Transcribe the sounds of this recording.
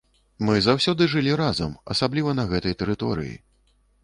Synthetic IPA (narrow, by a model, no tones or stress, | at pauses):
mɨzawsʲɔd̪ɨʐɨlʲiɾazɐmɐ̰sablʲivɐnɐɣɛt̪ɐjt̪ɛɾɨt̪ɔɾɨ̰jḭ